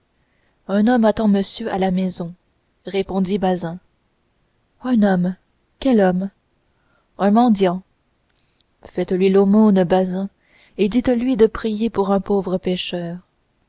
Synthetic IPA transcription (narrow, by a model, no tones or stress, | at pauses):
œ̃nɔmat̪ɑ̃məsjøʔalamɛzɔ̃ | ʁepɔ̃d̪ibazɛ̃ | œ̃nɔm | kʲɛlɔm | ɛ̃mɑ̃d̪jɑ̃ | fɛt̪lɥilomonbazɛ̃ | ed̪it̪lɥid̪əpχijepuʁɛ̃povʁəpeʃœːʁ